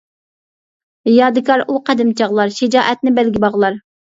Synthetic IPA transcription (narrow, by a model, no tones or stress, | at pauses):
jɑːd̪ɨkʰɑɾuqʰɛd̪ɪmt͡ʃʰɑʁlˠɑɾʃɪd͡ʒɑːʔɛt̪̚nɪbɛlɡʲibɑʁlˠɑɾ